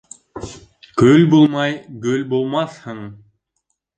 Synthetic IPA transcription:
kølbolˠmɑjɡølbolˠmɑshɯɴ

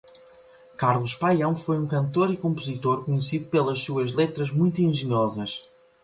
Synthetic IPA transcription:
kaɾlˠuʃpajɐ̃w̃fojũkɐ̃nt̪oɾikõmpuzit̪oɾkuɲɨsiðupelˠɐʃsuɐʒlˠet̪ɾɐʒmũj̃t̪uẽʒɨɲɔzɐʃ

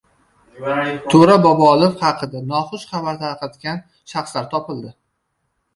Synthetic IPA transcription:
t̪ʰoɾabɒbɒlˠɪfχɑqʰɨd̪anɒχʊʃχɑbaɾt̪ʰaɾqɑt̪kʲan | ʃɑχslaɾt̪ʰɒpɪlˠd̪ɪ

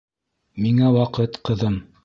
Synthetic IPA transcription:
miŋæwɑqɤt̪qɤ̆ðɤm

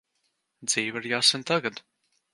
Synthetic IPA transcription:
d̪z̥iːvaɾjaːsɛnt̪aɡad̪

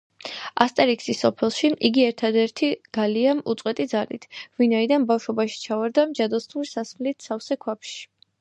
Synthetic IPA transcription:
ast̪ʼɛɾiksisːɔpʰɛlˠʃiʔiɡiɛɾt̪ʰad̪ɛɾt̪ʰiɡ̥aliamṵt̪sʼqʼwɛt̪ʼid̪zalḭt̪ʰvinaid̪anbafʃɔbaʃi̥t͡ʃʰavaɾd̪amd͡ʒad̪ɔsnuɾisasmlit̪ʰsafsɛkʰwapʃi̥

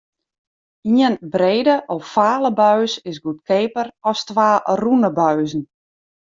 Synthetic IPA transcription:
iənbɾeːdəʔɔfːaːləbœɥsɪsɡut̚kʰeːpəɾɔstʋaːrunəbœɥzn̩

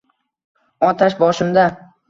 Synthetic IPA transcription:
ɒt̪ʰaʃbɒʃɪmd̪a

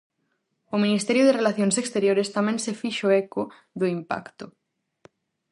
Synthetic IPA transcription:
omĩnist̪eɾjoðerelaθjonsekst̪eɾjoɾest̪amẽnsefiʃoeko | ðoimpa̰kt̪o

